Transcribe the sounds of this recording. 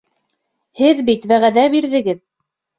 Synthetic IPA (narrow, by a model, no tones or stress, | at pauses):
hɘðbit̪wæʁæðæbiɾðɘ̆ɡɘð